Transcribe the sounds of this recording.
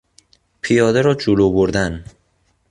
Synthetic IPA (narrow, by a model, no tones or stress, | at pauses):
pʰijɒːd̪eɾɒːd͡ʒoloːboɾd̪æn